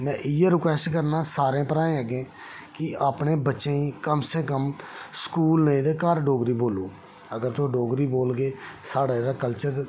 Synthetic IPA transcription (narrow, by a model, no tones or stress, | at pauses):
nɛ̃ːʔɪjeːɾɪkwɛːsʈkəɾnaːsaːɾẽːpəɾaːẽːəɡẽː | kɪaːpneːbətːʃẽːiːkəmseːkəmskuːlnəĩːd̪eːkaːɾɖoːɡɾiːboːloː | əɡəɾt̪oɖoːɡɾiːboːlɡeːsaːɽaːɾaːkəlt͡ʃəɾ